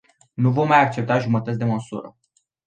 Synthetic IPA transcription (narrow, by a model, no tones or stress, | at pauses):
nuvo̞mːajak̚t͡ʃe̞p̚t̪aʒumət̪ət̪sd̪e̞məsṵɾə̰